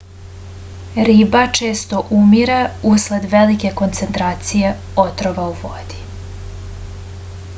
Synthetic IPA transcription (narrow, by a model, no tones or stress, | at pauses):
ɾiːbat͡ʃeːst̪o̞ʔumiɾausled̪ʋe̞like̞ko̞nt̪se̞nt̪ɾaːt̪sije | ot̪ɾoʋauʋod̪̥i̥